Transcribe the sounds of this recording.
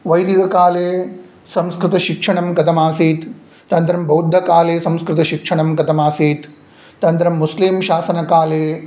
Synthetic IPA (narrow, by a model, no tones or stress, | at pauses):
ʋɐjd̪ʱiɡɐkaːleː | sɐ̃mskɾɪt̪ɐʃikʂɐɳɐmkɐt̪ɐmaːsiːt̪ː | ɐnt̪ɾɐmbʱɐwd̪ʱːɐkaːleːsɐ̃mskɾɪt̪ɐʃikʂɐɳɐmkɐt̪ɐmaːsiːt̪ | t̪ɐnt̪ɾɐmːuslimʃaːsɐnɐkaːleː